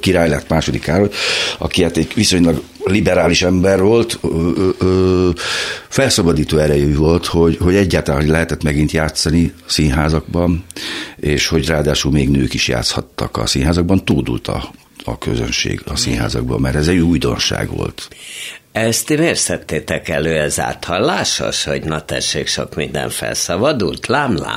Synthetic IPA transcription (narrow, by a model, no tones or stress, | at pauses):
kiɾaːjlɛt̪maːʃo̞d̪ikaːɾojɒ̰kiaːt̪ɛɟʋiso̞ɲlɒɡ | libɛɾaːliʃɛmbɛrvo̞lt̪ː | fɛlsɒbɒd̪iːt̪oːɛɾɛjɛyvo̞lt̪ho̞ɟho̞ɟɛɟːaːt̪alanɦoɟlɛɦɛt̪ɛt̪mɛɡint̪jaːt̪sɒni | siːnɦaːzɒɡbɒn | eːʃho̞ɟraːd̪aːʃulmeːɡnøːkiʃja̰ːt̪shɒt̪ːɒkɒ̰siːnɦaːzɒɡ̚bɒnt̪uːd̪ṵlt̪ʰɒ̰ː | kø̰zø̞nʃḛːɡɒsiːnɦa̰ːzɒɡ̚bɒ̰mːɛɾt̪ɛzɛɟujd̪o̞̰nʃa̰ːɡʋo̞̰lt̪ | ɛst̪imeːrsɛt̪ːeːt̪ɛkɛløːɛza̰ːt̪hɒlːaːʃo̰ʃho̞ɟnɒt̪ɛ̰ʃːeːkʃo̞̰kmind̪ɛ̰ɱfɛ̰lsɒbɒd̪ult̪laːmla̰ː